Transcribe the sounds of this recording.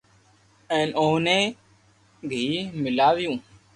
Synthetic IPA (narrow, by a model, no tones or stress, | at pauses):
enʔoːneː | bʱiːmɪlaːʋjũː